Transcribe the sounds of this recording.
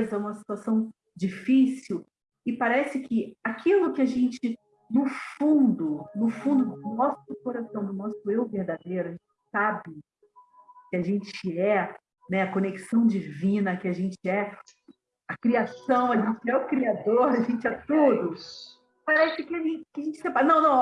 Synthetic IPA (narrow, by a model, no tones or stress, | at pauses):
zɐũmɐsi̥t̪uasɐ̃w̃ | d͡ʒifisiw | ɪpaɾɛsɪkʰɪakilʊkɪaʒẽnt͡ʃɪ | nʊfũnd̪ʊnʊfũnd̪ʊʊnɔsʊkoɾasɐ̃w̃nʊnɔsʊewveɾd̪ad̪ejɾʊaʒẽt͡ʃɪ̥sabɪ | kɪaʒẽt͡ʃɪɛ | nɛɐkoneksɐ̃w̃d͡ʒivĩnɐkɪaʒẽnt͡ʃɪɛ | ɐkɾiasɐ̃w̃ɐʒẽt͡ʃɪɛʊkɾiad̪oɾaʒẽt͡ʃɪɛt̪od̪ʊs | paɾɛsɪkɪaʒẽt͡ʃɪkɪɐʒẽnt͡ʃɪsẽpanɐ̃w̃nɐ̃w̃